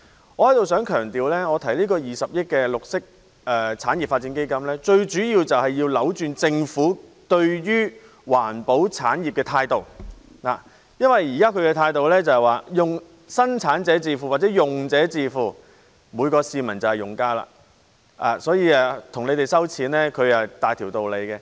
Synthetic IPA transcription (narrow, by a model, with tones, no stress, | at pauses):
ɔː˨˧hɐ˨˥jt̪o˨wsœː˨˥ŋkʰœː˨˩ŋt̪iː˨wlɛː˥ŋɔː˨˧t̪ʰɐ˨˩jliː˥kɔː˧jiː˨˩sɐ˨p̚jɪ˥t̚kːɛ˧lʊ˨k̚sɪ˥k̚ | ɛː˨˧t͡sʰaː˨˥njiː˨p̚faː˧t̚t͡siː˨˥nke˥jkɐ˥mlɛː˥t͡ʃɵ˧ɥt͡ʃyː˨˥jiː˧wt͡sɐ˨whɐ˨jːiː˧wlɐ˨˥wt͡ʃyː˨˧nt͡sɪ˧ŋfuː˨˥t̪ɵ˧ɥjyː˥ | waː˨˩npo˨˥wt͡sʰaː˨˥njiː˨˩p̚kɛː˧t̪ʰaː˧jt̪o˨w | naː˨ | jɐ˥nwɐ˨jjiː˨˩kaː˥kʰɵ˨˧ɥkɛ˧t̪ʰaː˧jt̪o˨wlɛː˥t͡sɐ˨˧hɛ˨jwaː˨˩jʊ˨˩ŋ | sɐ˥nt͡sʰaː˨˥nt͡sɛː˨˥t͡siː˧fuː˨wa˨t͡sɛː˨˥jʊ˨ŋt͡sɛː˨˥t͡siː˧fuː˨ | muː˨˧jkɔː˧siː˨˧mɐ˨˩nt͡sɐ˨˩whɐ˨jʊ˨˩ŋkaː˥la̰ː˨ | ʔa̰ː˨sɔː˨˥jiː˨˧aː˨˧t̪ʰʊ˨˩ŋnle˨˧jt̪e˨jsɐ˥wt͡sʰiː˨˥nlɛː˥kʰɵ˨˧ɥɐ˨t̪aː˨jt̪ʰi˨˩wt̪o˨wle˨˧jkɛ˧